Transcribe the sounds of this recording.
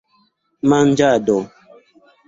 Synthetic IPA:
man̩d͡ʒadɔ

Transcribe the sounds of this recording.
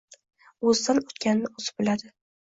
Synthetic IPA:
ɵzd̪anot̪kʲannɪozɪ̥bɪlad̪ɪ

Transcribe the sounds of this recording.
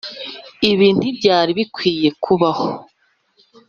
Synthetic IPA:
iβiːntdibɟaːɾiβikwiːje̞kʰuβaho

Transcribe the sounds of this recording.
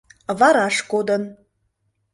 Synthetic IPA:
βɑɾɑʃkod̪ən

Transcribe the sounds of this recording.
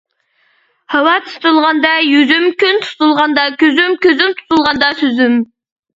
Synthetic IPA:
hɑwɑt̪ʰu̥t̪ulˠʁɑnd̪ɑjyzymkʲʰynt̪ʰu̥t̪ulˠʁɑnd̪ɑkʲʰøzymkʲʰøzymt̪ʰu̥t̪ʰulˠʁɑnd̪ɑsøzym

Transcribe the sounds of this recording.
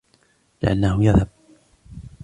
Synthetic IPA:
lɪʔanːahʊjaðhab̚

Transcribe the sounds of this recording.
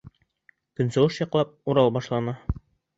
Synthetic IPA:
kɵ̆nsɤ̆lɤʃjɑqlˠɑp̚uɾɑlˠbɑʃlˠɑnɑ

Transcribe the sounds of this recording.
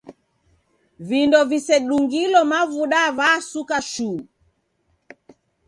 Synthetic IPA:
vindɔvisɛɗuŋɡilɔmavuɗavasukaʃuː

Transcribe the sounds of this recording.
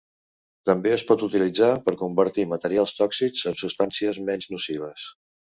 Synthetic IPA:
t̪əmbeəspɔt̪ut̪ilid͡zapəɾkumbəɾt̪imət̪əɾialˠst̪ɔksizəmsust̪ansiəzmɛnznusiβ̞əs

